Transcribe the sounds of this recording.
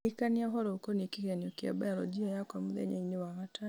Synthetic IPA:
ikaniɔɦɔɾɔukonikikenokiɛ̰baalɔ̰d͡ʒiajakwamuðɛ̰ɲa̰inewaɣata

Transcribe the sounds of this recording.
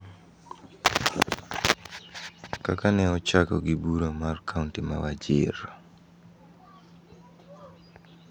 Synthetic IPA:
kakanɛɔt͡ʃakɔ̰ɡɪbuɾomarkʰauntima̰wad͡ʒɪ̰ɾ

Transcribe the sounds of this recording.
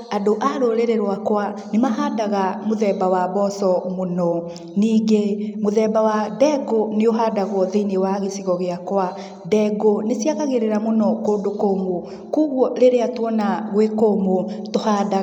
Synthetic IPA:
adoʔaɾoɾeɾeɾwakwanemaɦadaɣamoðɛbawabɔsɔmonɔ | niːɡemoðɛbawadɛɡoneoɦadaɣwɔðeinewaɣesiɣɔɣeakwa | dɛɡonesiaɣaɣeɾeɾamonɔkoːndokomo | kuɣwɔɾeɾeatwɔnaɣwekomotohada

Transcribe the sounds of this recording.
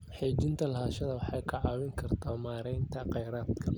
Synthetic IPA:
ħeːt͡ʃɪnt̪ʰɐlɐhaːʃɐðɐwɑħɑːjkʰɑʕɑːwɪŋkʰɐrt̪ʰɔːmaːɾɛjnt̪ʰɐqɛjɾaːd̪kʰɐ

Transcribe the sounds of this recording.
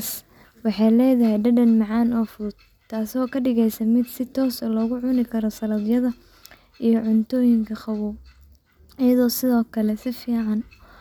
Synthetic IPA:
s | wɑħɑjlɛːðɐɦɛjɖɐɖɐnmɑʕɑːnɔːfʊðʊd̪̥ | t̪ʰːaːsɔːkʰɐɖɪɣɛjsɐmɪd̪sɪt̪ʰɔːsɔːlɔːɣʊʕʊnɪkʰɐɾɔsɐlɐðjɐðɐ | ʔijɔʕʊnt̪ʰɔːjɪŋkʰɐχɑwuːb | ɪjɐðɔːsɪðɔːkʰɐlɛsɪfiːʕɑn

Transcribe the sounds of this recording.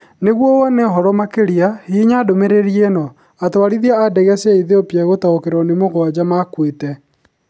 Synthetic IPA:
neɣwɔwɔneɦɔɾɔmakeɾiahiɲadomeɾeɾienɔ | atwaɾiðiaadɛɣɛsɛiðeopjɛɣotaokeɾɔnemoɣwad͡ʑamakwetɛ

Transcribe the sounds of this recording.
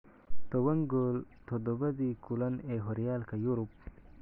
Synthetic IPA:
t̪owɐŋɡolt̪ʰod̪obɐzikulɐneɦoɾijaːlkajuɾup̚

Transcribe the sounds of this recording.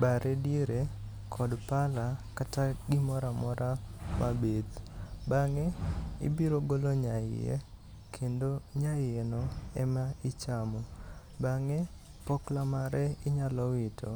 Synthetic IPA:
baɾʔɛdjeɾe | kʰɔdpalakataɡɪmɔɾamɔɾʔamʔabed̪baŋeḭbiɾoɡoloɲaɪ̰jḛ | kʰendoɲaɪenɔɛmaɪt͡ʃamɔ | baŋe | pɔklamaɾɛɪɲalɔwɪtʰɔ

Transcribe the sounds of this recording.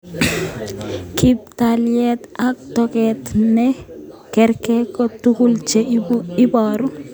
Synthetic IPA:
kip̚taljɛt̪ak̚tɔkɛt̪nɛkɛɾkɛkɔtukult͡ʃeibɔɾʊ

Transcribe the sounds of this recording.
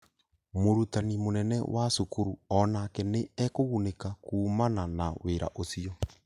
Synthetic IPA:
moɾutanimonɛnɛ̰wasokuɾuɔnakɛneɛkoɣunekakuːmananaweɾa̰ʔosiɔ

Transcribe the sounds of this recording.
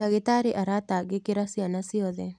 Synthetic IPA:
aɡɪt̪aɾɪʔaɾat̪aɡekɪɾasianasiɔðe

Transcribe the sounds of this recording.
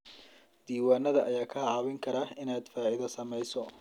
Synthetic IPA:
d̪̥iːwaːnːɐðɐʔɐjaːkʰɐʕɑwɪŋkʰɐɾɐɪnaːd̪faːʕɪðɐsɐmɛjsɔ

